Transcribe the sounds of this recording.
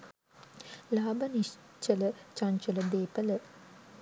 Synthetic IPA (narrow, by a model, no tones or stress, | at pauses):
laːbaniʃt͡ʃələt͡ʃaɲt͡ʃuləd̪eːpələ